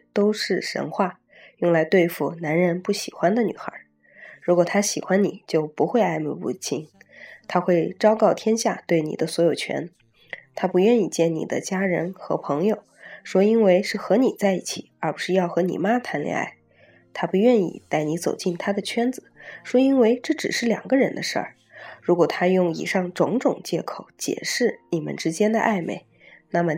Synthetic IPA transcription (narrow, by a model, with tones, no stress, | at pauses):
t̪o˥ʊʂɻ̩˥˩ʂə̰˧˥nxwa˥˩ | jʊ˥˩ŋla˧˥ɪt̪we˥˧ɪfu˨˩na˧˥nɻə˧˥npu˥˩ɕḭ˨˩xwa˥nd̪ə˨ny̰˨˩xə̰˞˧˥ | ɻu˧˥kwɔ˨˩t̪ʰa˥ɕi˨˩xwa˥nnḭ˨˩˦t͡ɕjo˥˩ʊpu˧˥xwe˥˧ɪa˥˩ɪmə˧pṵ˥˩t͡ɕʰi˥nt̪ʰa˥xwe˥˩ɪʈ͡ʂɑ˥ʊkɑ˥˩ʊt̪ʰjɛ˥nɕja˥˧t̪we˥˩ɪnḭ˨˩d̪ə˦swɔ˧˥jo˨˩ʊt͡ɕʰɥɛ̰˧˥n | t̪ʰa˥pu˧˥ɥɛ˥˧ni˥˧t͡ɕjɛ˥˩nnḭ˨˩d̪ə̰˦t͡ɕja˥ɻə˧˥nxɤ̰˧˥pʰɤ˧˥ŋjo˨˧˩ʊʂwɔ˥i˥nwe˥˧ɪʂɻ̩˥˩xɤ˧˥ni˨˩t͡sa˥˧ɪi˥˩t͡ɕʰi˨˩˦ə˞˧˥pu˧˥ʂɻ̩˥˧jɑ˥˩ʊxɤ˧˥nḭ˨˩ma˥t̪ʰa˧˥nljɛ̰˧˥ŋa̰˥˩ɪ | t̪ʰa˥pu˧˥ɥɛ˥˧nḭ˥˩t̪a˥˩ɪni˧˥t͡so˨˩ʊt͡ɕi˥˩nt̪ʰa˥d̪ə˨t͡ɕʰɥɛ˥nd͡zɹ̩˨˩˦ʂwɔ˥i˥nwe˥ɪʈ͡ʂɤ˥˩ʈ͡ʂɻ̩˨˩ʂɻ̩˥˩ljɑ̰˨˩ŋɡə˦ɻə˧˥nd̪ə˧ʂə̰˞˥˩ | ɻu˧˥kwɔ˨˩t̪ʰa˥jʊ˥˩ŋḭ˨˩ʂɑ˥˩ŋʈ͡ʂʊ˧˥ŋʈ͡ʂʊ˨˩ŋt͡ɕjɛ˥˩kʰo˨˩˦ʊt͡ɕjɛ̰˨˩ʂɻ̩˥˩ni˨˩mə̰˦nʈ͡ʂɻ̩˥t͡ɕjɛ˥nd̪ə̰˧ʔa˥˩ɪmḛ˧˩ɪ | na˥˩mə˩